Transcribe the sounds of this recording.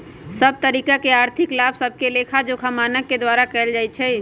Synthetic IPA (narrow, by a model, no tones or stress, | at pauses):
səb̚t̪əɾiːkakeaːɾt̪ʰɪklaːbsəb̚ʱkelekʰad͡ʒokʰəmaːnəkːed̪waːɾakɛld͡ʒaːjt͡ʃʰɛ